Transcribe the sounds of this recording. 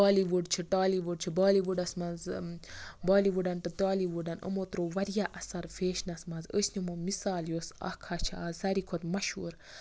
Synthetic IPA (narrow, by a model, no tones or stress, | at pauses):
aːliʋuɖt͡ʃʰiʈaːliʋuɖ̚t͡ʃʰibaːliʋuɖɐsmɐnz | baːliʋuɖɐnʈ̪ɨt̪aːliʋuɖɐnə̰mot̪ɾoːʋɐɾjaʔɐsɐɾfeːʃnɐsmɐnzəsnʲimomisaːljoːsɐ̰hkʰat͡ʃʰiaːzɐɾikʰot̪mɐʃhuːɾ